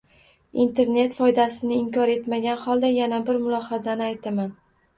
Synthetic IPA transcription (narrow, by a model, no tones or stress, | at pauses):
int̪ʰe̞ɾne̞t̪fɒjd̪asɪnɪɪmkʲɒɾe̞t̪maɡʲanχɒlˠd̪ajanabɪɾmʊlˠɒhazanɪajt̪ʰaman